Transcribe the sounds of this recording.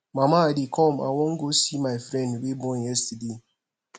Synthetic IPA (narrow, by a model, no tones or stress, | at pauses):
mamadikʰɔma̰wɔŋ̩ɡosimaɪfɾɛ̃ndwibɔ̃nɛstde